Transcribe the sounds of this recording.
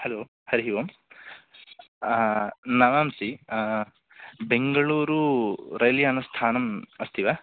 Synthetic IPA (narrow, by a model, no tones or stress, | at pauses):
hɐloː | hɐɾiɦiʋɐm | nɐʋaːmsi | beŋɡɐɭuːɾuɾɐjljaːnɐst̪ʰaːnɐmɐst̪ʰiʋɐ